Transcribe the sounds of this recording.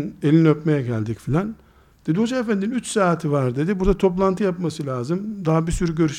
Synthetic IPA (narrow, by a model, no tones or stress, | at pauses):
nelʲiniøpmejɛɟælʲd̪icfilʲan | d̪̥e̞d̪iho̞d͡ʒaefænd̪innyt͡ʃsaːt̪ʰivaɾd̪e̞d̪ibuɾd̪at̪ʰo̞p̬lˠant̪ʰɯjapmasɯlʲaːzɯmd̪aɦabisyɾyɟø̞ɾyʃ